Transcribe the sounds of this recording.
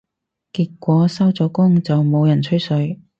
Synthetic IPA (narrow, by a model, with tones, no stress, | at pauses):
kiː˧t̚kːʷɔː˨˥sɐ˥wt͡sɔː˨˧˥kʊ˥ŋt͡sɐ˨wmo˨˧wjɐ˨˩nt͡ʃʰɵ˥ɥsɵ˨˧ɥ